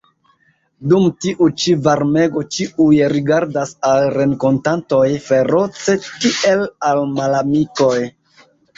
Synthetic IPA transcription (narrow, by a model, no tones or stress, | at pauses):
dumtiʔut͡ʃivaɾme̞ɡo̞t͡ʃiujɾiɡaɾdasalɾe̞ŋko̞ntanto̞jfe̞ɾo̞t͡se̞kiʔe̞lalmalamiko̞j